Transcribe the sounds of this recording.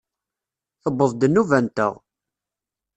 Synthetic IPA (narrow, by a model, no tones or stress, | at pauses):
əbːəðˤd̪ənːuvænt̪ə̰ʁ